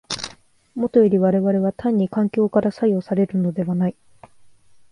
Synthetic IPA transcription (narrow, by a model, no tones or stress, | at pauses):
mo̞t̪o̞iɾʲiβaɾe̞βaɾe̞β̞at̪ʰãɲ̟ːikãŋkʲo̞ːkaɾasaio̞saɾe̞ɾɯ̟no̞d̪e̞βanai